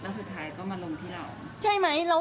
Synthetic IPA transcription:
laː˦˥su˨˩t̪ʰːaː˦jkɔː˥˩maː˧lo˧ŋt̪ʰiː˥˩ɾa̰˨˩w | t͡ɕa˧jma˦˥jɾa˧

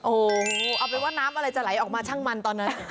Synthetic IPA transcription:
ʔoː˨˩ʔa˨˩wpa˧nwaː˥˩naː˦˥mʔa˧ɾa˧jt͡ɕa˨˩la˨˩˦jʔɔː˨˩k̚maː˧t͡ɕʰaː˥˩ŋma˧nt̪ɔː˧nːa˦˥

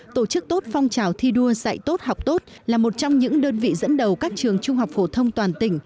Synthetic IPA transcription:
t̪o˧˩t͡ɕɨ˦˥k̚t̪o˦˥t̚fɔ˧wŋ͡mt͡ɕaː˨˩wt̪ʰi˧ɗu˧əza̰˧˨jt̪o˦˥t̚ha˨˩wk͡p̚t̪o˦˥t̚laː˨˩mo˨˩t̚t͡ɕɔ˧wŋ͡mɲɨ̰˧˥ŋɗəː˧nvḭ˧˨zə̰˧˥nɗə˨˩wkaː˦˥k̚t͡ɕɨ˨˩əŋt͡ɕʊ˧ŋ͡mɦa˨˩wk͡p̚fo˧˩t̪ʰə˧wŋ͡mt̪waː˨˩nt̪ï˧˩ŋ̟

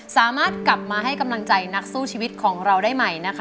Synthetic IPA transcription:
saː˩˦maː˥˩t̪̚kla˨˩p̚maː˧ɦa˥˩jka˧mla˧ŋt͡ɕa˧jna˦˥k̚suː˥˩t͡ɕʰiː˧wi˦˥t̪̚kʰɔː˩˦ŋɾa˧wdaː˥˩jma˨˩jna˦˥kʰ

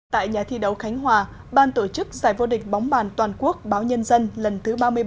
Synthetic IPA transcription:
t̪a̰ː˧˨jɲaː˨˩t̪ʰi˧ɗə˨˦wxa˨˦jŋ̟ɦwaː˨˩ | ɓaː˧nt̪o˧˩t͡ɕɨ˦˥k̚zaː˧˩jvo˧ɗï˨˩k̟̚ɓɔ˨˦wŋ͡mɓaː˨˩nt̪waː˨˩nku˦˥ək̚ɓaː˨˦wɲə˧nzə˧nlə˨˩nt̪ʰɨ˨˦ɓaː˧mɨ˧əj

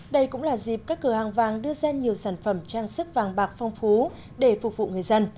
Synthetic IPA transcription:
ɗə˧jkʊ̰˧˥ŋ͡mlaː˨˩zi˨˩p̚kaː˦˥kːɨː˧˩haː˨˩ŋvaː˨˩ŋɗɨ˧əzaː˧ɲi˨˩əwsaː˧˩nfə˧˩mt͡ɕaː˧ŋsɨ˦˥k̚vaː˨˩ŋɓaː˨˩k̚fɔ˧wŋ͡mfu˨˦ | ɗe˧˩fʊ˨˩vṵ˧˨ŋɨ˨˩əjzə˧n

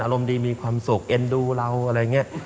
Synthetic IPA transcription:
ʔaː˧ɾo˧mdiː˧miː˧kʰwaː˧msu˨˩k̚ʔe˧nduː˧ɾa˧wʔa˧ɾa˧ja˨˩ŋi˦˥ɐ

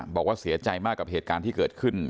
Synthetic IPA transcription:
bɔː˨˩k̚waː˥˩si˨˩˦ɐt͡ɕa˧jmaː˥˩kːa˨˩p̚heː˨˩t̪̚kaː˧nt̪ʰiː˥˩kɤː˨˩t̪̚kʰɯ˥˩n

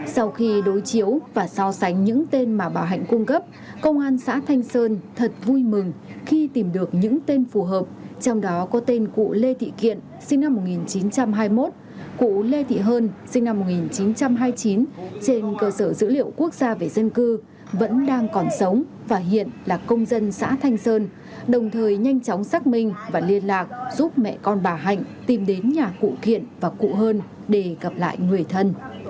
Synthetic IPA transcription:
sa˧wxi˧ɗo˨˦jt͡ɕi˨˦əwvaː˨˩sa˧wsa˨˦jŋ̟ɲɨ̰˧˥ŋt̪e˧nmaː˨˩ɓaː˨˩wɦa̰˧˨jŋ̟ku˧ŋ͡mkə˦˥p̚ | kə˧wŋ͡mʔaː˧nsa̰ː˧˥t̪ʰa˧jŋ̟səː˧nt̪ʰə˨˩t̚vu˧jmɨ˨˩ŋxi˧t̪i˨˩mɗɨ˨˩ək̚ɲɨ̰˧˥ŋt̪e˧nfu˨˩ɦəː˨˩p̚t͡ɕɔ˧wŋ͡mɗɔ˨˦kɔ˨˦t̪e˧nkṵ˧˨le˧t̪ʰḭ˧˨kḭ˧˨ən | sï˧ŋna˧mːo˨˩t̚ŋi˨˩nt͡ɕi˨˦nt͡ɕa˧mɦaː˧jmo˦˥t̚ | kṵ˧˨le˧t̪ʰḭ˧˨ɦəː˧nsï˧ŋ̟na˧mːo˨˩t̚ŋi˨˩nt͡ɕi˨˦nt͡ɕa˧mɦaː˧jt͡ɕi˨˦nt͡ɕe˧nkəː˧səː˧˩zɨ̰˧˥lḭ˧˨əwku˦˥ək̚zaː˧ve˨˩zə˧nkɨ˧ | və̰˧˥nɗaː˧ŋkɔ˨˩nsə˨˦wŋ͡m | vaː˨˩ɦḭ˧˨ənlaː˨˩kə˧wŋ͡mzə˧nsa̰ː˧˥t̪ʰa˧jŋ̟səː˧n | ɗə˨˩wŋ͡mt̪ʰəː˨˩jɲa˧jŋ̟t͡ɕa˨˦wŋ͡msaː˦˥k̚mï˧ŋ̟vaː˨˩li˧ənlaː˨˩k̚z̥u˦˥p̚mɛ̰˧˨kɔ˧nɓaː˨˩ɦa̰˧˨jŋ̟t̪i˨˩mɗe˨˦nɲaː˨˩kṵ˧˨kḭ˧˨ənvaː˨˩kṵ˧˨ɦəː˧n | ɗe˧˩ɣə˨˩p̚la̰ː˧˨jŋwi˨˩əjt̪ʰə˧n

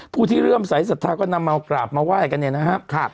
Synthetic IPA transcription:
pʰuː˥˩t̪ʰiː˥˩ɾɯ˥˩msa˨˩˦jsa˨˩t̪ʰːaː˧kɔː˥˩na˧mːaː˧kɾaː˨˩p̚maː˧waː˥˩jka˧nːʔe˧˩na˦˥kʰa˦˥ʔkʰa˥˩

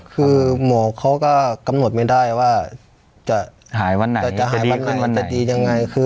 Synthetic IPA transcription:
kʰɯː˧mɔː˨˦kʰa˧˩wka˧˩ka˧˦mno˨˩t̪̚ma˧˩jda˧˥˩jwaː˧˩ | t͡ɕa˧˩ | haː˨˩˦jwa˧˨nːa˨a˧t͡ɕa˧˨ʔɦa˧˨˦a˧˨nːa˧˨n˧t͡ɕa˧˨diː˨˧ɲa˧ŋːa˧jkʰɯː˧

